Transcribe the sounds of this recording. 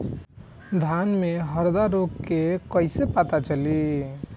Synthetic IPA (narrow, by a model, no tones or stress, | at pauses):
d̪ʱanmeɦəɾd̪aɾoɡkːekəɪsepət̪at͡ʃəli